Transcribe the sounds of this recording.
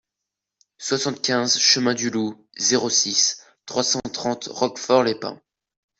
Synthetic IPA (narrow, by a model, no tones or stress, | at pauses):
swasɑ̃t̪̚kʲɛ̃zʃəmɛ̃d̪ylu | zeʁosis | t̪χwasɑ̃t̪χɑ̃t̪ʁɔkfɔʁlepɛ̰̃